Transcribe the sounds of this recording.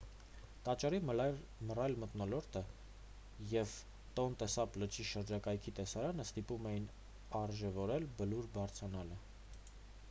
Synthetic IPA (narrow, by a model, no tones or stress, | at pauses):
t̪ɑt͡ʃɑɾi | mərɑjlmət̪nɔlɔɾt̪ʰə | jɛv | t̪ɔnt̪ɛsɑplət͡ʃʰiʃəɾd͡ʒɑkɑjkʰit̪ɛsɑɾɑnəst̪ipumɛjin | ɑrʒɛvɔɾɛlbəluɾbɑɾt͡sʰɑnɑlə